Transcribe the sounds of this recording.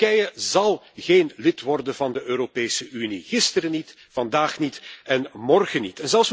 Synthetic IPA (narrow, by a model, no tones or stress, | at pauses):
ɛjəzɑlˠ | ɣeːnlɪtʋɔrdənvɑndəʔøːɾopeːsəʔyniɣɪstəɾənit | vɑndaːxnitɛnmɔrɣənitɛnzɛls